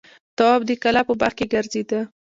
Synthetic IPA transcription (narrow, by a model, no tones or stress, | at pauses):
t̪awɑbd̪əkalapəbaɾxkeɡaɾzed̪ə